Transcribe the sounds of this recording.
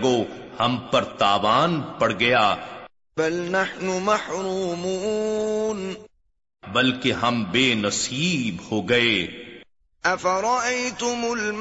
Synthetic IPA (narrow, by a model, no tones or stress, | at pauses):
ɡoːhɐ̃mpɐɾt̪aːʋaːnpɐɽɡɐjaː | bɐlnaħnʊmɐħɾuːmuːn | bɐlkeɦɐmbeːnɐsiːbhoːɡɐeː | ʔɐfaɾˤɑʔajt̪ʊmʊl